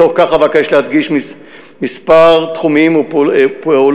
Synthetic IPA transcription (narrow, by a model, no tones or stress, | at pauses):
oχkaχavakajeʃlead̪ɡiʃmi | mispaʁt̪χumimpeol